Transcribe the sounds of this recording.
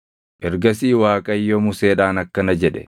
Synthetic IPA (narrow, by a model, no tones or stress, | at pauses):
ʔɛɾɡɐsiːwaːkʼɐjːomʊseːᶑaːnɐkːɐnɐd͡ʒɛᶑɛ̰